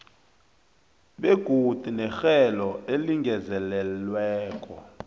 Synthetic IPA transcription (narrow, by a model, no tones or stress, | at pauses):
ɓeɡ̥ʱud̥ʱinɛxɛlɔeliŋɡʱɛzɛlɛlwɛːkʼɔ̰